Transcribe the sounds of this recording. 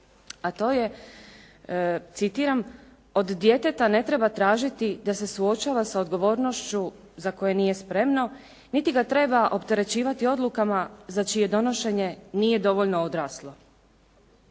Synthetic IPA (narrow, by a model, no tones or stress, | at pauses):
at̪o̞ːje̞ | t̪sit̪iːɾam | o̞d̪ːje̞t̪e̞t̪ane̞t̪ɾe̞bat̪ɾaːʒit̪id̪ase̞suo̞t͡ʃaːʋasaod̪ɡo̞ʋo̞ːɾno̞ʃt͡ɕu | zako̞je̞nije̞spɾe̞mno̞ | nit̪iɡat̪ɾe̞baʔo̞pt̪e̞ɾe̞t͡ɕiːʋat̪io̞d̪lukamazat͡ʃije̞d̪o̞no̞ʃe̞ɲe̞niːje̞d̪o̞ʋo̞ʎnood̪ɾaːslˠo̞